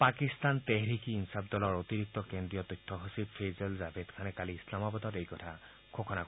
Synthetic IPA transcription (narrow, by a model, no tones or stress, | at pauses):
pakist̪ant̪eɦɹikiinsabdɔlɔɹot̪iɹik̚t̪ɔkendɹijɔt̪ujtʰːɔɦosibpʰezelzabʰedkʰanɛkaliislamɔbɔdɔtejkɔtʰa | kʰokʰɔna